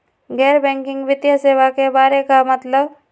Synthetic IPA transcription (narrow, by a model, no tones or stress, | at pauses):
ɡɛːɾbɛ̃ːŋkɪ̃ŋɡʋɪd̪jaseːʋakebaːɾekamət̪ləb